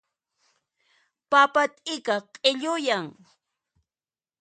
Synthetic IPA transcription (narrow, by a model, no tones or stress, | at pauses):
papat̪ʼɪkaqʼeʎʊjaŋ